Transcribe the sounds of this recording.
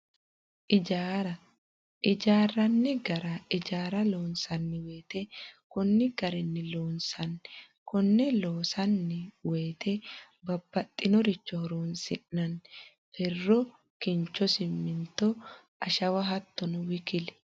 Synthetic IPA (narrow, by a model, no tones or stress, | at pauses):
ʔɪd͡ʒaːɾɐ | ʔɪd͡ʒaːrɐnːɪɡɐɾɐɪd͡ʒaːɾɐlo̞ːnsɐnːɪwe̞ːt̪ɛkʊnːɪɡɐɾɛnːɪloːnsɐn | kɔnːɛloːsɐnːɪwe̞ːt̪ʰɛ | bɐbːɐt̪ʼːɪnɔɾɪt͡ʃːɔhɔɾoːnsɪʔːɐn | fɛrːɔ | kɪnt͡ʃːɔsɪmːɪnt̪ːɔ | ɐʃɐwɐɦɐt̪ːɔnʊwɪkɪlɛ̥